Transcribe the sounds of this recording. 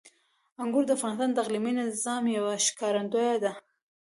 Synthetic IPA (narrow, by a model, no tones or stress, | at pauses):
aŋɡʊɾd̪əafɣɑnɪst̪ɑnt̪aɣliminɪzɑmjawaʃɪ̥kɑɾand̪ojad̪a